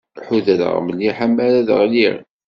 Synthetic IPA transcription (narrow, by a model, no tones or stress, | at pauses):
ħuðæðə̰ʁməlːiħamːælæðə̰ʁliɾ